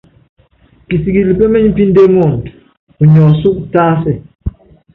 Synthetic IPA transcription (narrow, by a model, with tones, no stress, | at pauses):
ki˨si˨ɡi˨li˨pe˦mɛ˦ɲm̩˦pi˦n̩˦de˦ŋo˦˨n˨t | u˨ɲɔ˨su˦k̚taː˦sɛ˦